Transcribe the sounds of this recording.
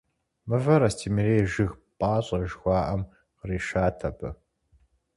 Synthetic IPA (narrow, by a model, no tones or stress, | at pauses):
mɨvɐɾɐstʰiːmɨɾeːʒɪxpʼɑːɕʼɐʒxʷɑːʔɐm | qriːʃaːtʰɐpʰɨ